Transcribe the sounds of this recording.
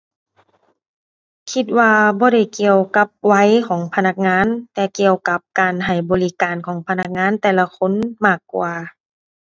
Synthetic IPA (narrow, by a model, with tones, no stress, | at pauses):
kʰi˧t̪̚waː˧bɔː˧˦ɾa˧˩jki˧əwka˧˦p̚wa˧˥˨jkʰɔː˩˦ŋpʰa˧na˧k̚ŋaː˧˥˨nt̪ɛː˧˩ki˧˩əwka˧˦p̚kaː˨nɦa˨˩jbɔː˨li˦˧kaː˨˩nkʰɔː˩˦ŋpʰa˧na˧k̚ŋaː˧˥˨nt̪ɛː˧la˧kʰo˧˥˨nmaː˧˩kːwaː˨˧˩